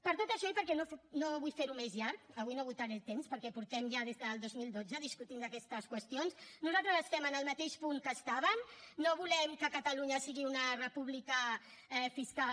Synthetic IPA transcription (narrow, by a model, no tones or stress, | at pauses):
pəɾt̪ot̪əʃɔipəɾkɛnofnoβujfeɾumezʎaɾkəβujnoβujt̪aɾɛt̪emspəɾkɛpuɾt̪ɛmʒaðezðəlˠd̪ozmilˠd̪od͡zəðiskut̪ind̪əkɛst̪əskwəst̪ionsnuzalˠt̪ɾəzəst̪ɛmənəlˠmət̪eʃpuŋkəst̪aβənnoβulɛmkəkət̪əluɲəsiɣiunərəpuβlikəɛfiska